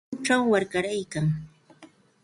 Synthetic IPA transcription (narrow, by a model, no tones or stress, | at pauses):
ʈ͡ʂawːaɾkaɾajkaŋ